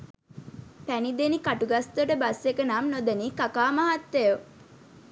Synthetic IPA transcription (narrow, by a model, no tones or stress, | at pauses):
pænid̪enikaʈuɡast̪əʈəbasekənamnod̪əniːkakaːmɐɦat̪ːejo